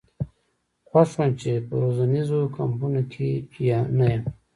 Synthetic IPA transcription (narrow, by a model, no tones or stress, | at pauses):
xwaʃwant͡ʃepə̰ɾozanizokampunokʰejanajam